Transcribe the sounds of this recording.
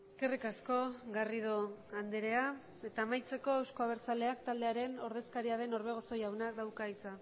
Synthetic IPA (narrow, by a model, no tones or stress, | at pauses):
e̞ske̞rikasko̞ɣarið̞oand̪eɾe̞a | e̞t̪aːmajt͡se̞ko̞ewsko̞aβe̞ɾt͡sale̞akt̪ald̪eaɾe̞no̞ɾð̞e̞skaɾiaðe̞no̞ɾβe̞ɣ̞o̞so̞jawnakd̪awkait͡sa